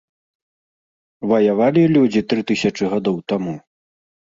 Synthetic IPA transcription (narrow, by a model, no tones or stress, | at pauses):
vɐjavalʲilʲud͡zʲit̪ɾɨt̪ɨsʲɐt͡ʂɨɣad̪ɔwt̪amu